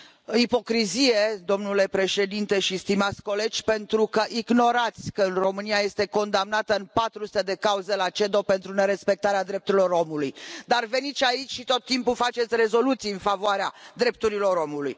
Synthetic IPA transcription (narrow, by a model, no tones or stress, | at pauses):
ipo̞kɾizije̞d̪o̞mnule̞pɾe̞ʃe̞d̪int̪e̞ʃist̪imat̪sʲko̞le̞d͡ʒʲpe̞nt̪ɾukəʔiɡno̞ɾat̪sʲkəɨnro̞mɨniajest̪e̞ko̞nd̪amnat̪əɨnpat̪ɾusu̥t̪ed̪e̞kauze̞lat͡ʃe̞d̪o̞pe̞nt̪ɾune̞ɾe̞spe̞k̚t̪aɾead̪ɾe̞p̚t̪uɾiloɾo̞mulujd̪arve̞nit̪sʲait͡ʃʲʃit̪o̞t̪ːimpulfat͡ʃet̪sʲre̞zo̞lut̪sijɨnfavoaɾead̪ɾe̞p̚t̪uɾilo̞ɾo̞muluj